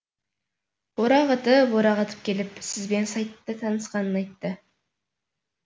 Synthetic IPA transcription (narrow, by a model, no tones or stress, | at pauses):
boɾɑʁɑt̪əboɾɑʁɑt̪ʰə̥p̚kʲe̞lɪpsɪzbe̞nsɑj̪ːət̪ʰɑnəsqɑnənɑjt̪ːə